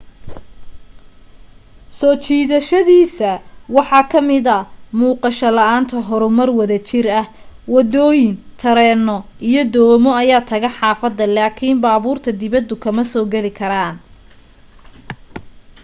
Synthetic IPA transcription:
sɔːt͡ʃiːðɐʃɐðiːsɐwɑħɑːkʰɐmɪðɐmuːqɑʃɐlɐʔaːnt̪ʰɐɦɔɾʊmɐrwɐðɐt͡ʃɪrɐh | wɐd̪ɔːjɪnt̪ʰɐɾɛːnɔʔijɞd̪ɔːmɔɐjaːt̪ʰɐɣɐħɑːfɐd̪ːɐlaːkʰimbaːβuːrt̪ʰɐd̪ɪβɐd̪ʊkʰɐmɐsɔːɡɐlɪkʰɐɾaːn

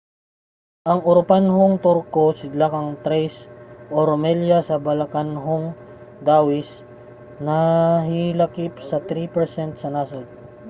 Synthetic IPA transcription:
ʔɐŋʔʊɾpanɦoŋt̪oɾkosɪd̪lakɐŋt̪ɾɛjsʔoɾomɛljɐsɐbɐlɐkanɦoŋ | d̪aːwɪs | nɐɦɪlɐkipsɐt̪ɾipɛɾsɛnt̪̚sɐnasɐl

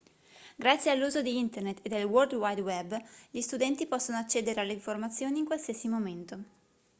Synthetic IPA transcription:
ɡɾat̪sjealːuːzod̪iint̪ernet̪ːed̪elword̪wajd̪wɛbːʎist̪ud̪ɛnt̪ipɔsːonoat͡ʃːeːd̪eɾealːeiɱformat̪sːjoːniŋkwalsiəsimoment̪o

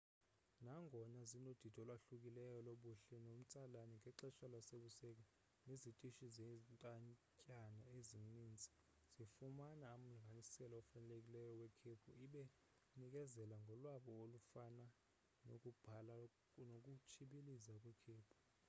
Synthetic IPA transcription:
naŋɡʱɔnazinod̥ʱitʰʼɔlwaɬuk̬ʼilɛjɔloɓuɬɛnom̩t͡sʼalanɛŋʱɛǁɛʃalwaseɓusɛk̬a | nezitʼiʃizɛntʼaɲcʼanaeziniːnd͡zʱi̥ | z̥ifumanaːm̩liŋɡʱanisɛlɔɔfanɛlek̬ʼilɛjɔwɛkʰepʰuiɓɛ | nik̬ʼɛzɛlaŋɡʱɔlwaɓɔolufana | nok̬ʼub̥ʱala | nok̬ʼut͡ʃʰiɓilizak̬ʼwɛkʰeːpʰu̥

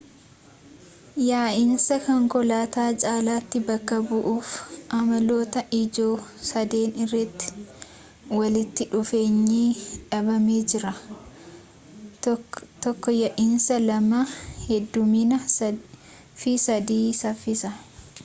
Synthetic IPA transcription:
jaːʔɪnsɐkɔŋkɔlaːt̪aːt͡ʃʼaːlaːt̪ːɪbɐkːɐbʊʔuːfʔɐmɐlo̞ːt̪ɐʔɪd͡ʒo̞ːsɐd̪e̞ːnɪrːɐt̪ːɪ̥ | wɐlɪt̪ːɪᶑʊfe̞ːɲːiːᶑɐbɐmeːd͡ʒɪɾɐ | t̪ɔkːɔjaʔɪnsɐlɐmahɛd̪ːʊminɐ | fɪsɐd̪iːsɐfːɪsɐ

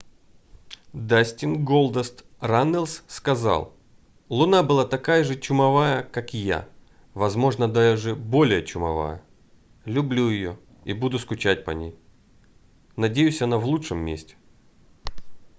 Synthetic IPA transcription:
d̪asʲtʲɪnɡolˠd̪əst̪ | ranːəlʲsskɐzɑ̰lˠ | lˠʊnabɨlˠat̪ɐkajəʐɨt͡ɕʊmɐvajəkakja̰ | vɐzmo̞ʐnəd̪ajəʐɨbo̞lʲɪjət͡ɕʊmɐ̰va̰jə̰ | lʲʊblʲujɪjo̰ | ibud̪ʊskʊt͡ɕat̚ʲpɐ̰nʲḛj | nɐdʲejʉsʲɐnavlˠutʂɨmːʲḛsʲtʲɪ̥

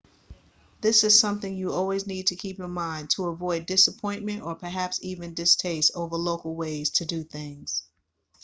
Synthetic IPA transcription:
ðɪsɨz̥sʌ̃mθɪ̃ŋjɨɔlˠwiznid̚tʰɨkʰipjə˞mãɪ̃ntʰəəvɔɪdɪsəpʰɔ̃ɪ̃nmɨ̃ntə˞pʰə˞ɦæpsivɨ̃ndɨstʰeɪstoʊvə˞loʊkl̩ˠweɪz̥tʰɨdɨθɪ̃ŋz̥

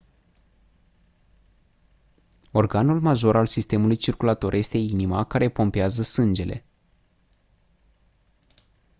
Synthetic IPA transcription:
o̞rɡanulmaʒo̞ɾalsist̪e̞mulujt͡ʃirkulat̪o̞rje̞st̪e̞inimakaɾe̞po̞mpeazəsɨnd͡ʒe̞lʔe̞̰

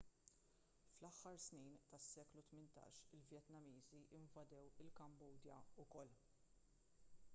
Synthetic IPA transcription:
flɐħːɐɾsniːnt̪ɐsːɛːklut̪mɪnt̪ɐ̰ːʃɪlvjɛt̪nɐmiːziʔɪɱvɐd̪ɛwɪlkɐmbuːd̪jɐ̰ʊkɔlː

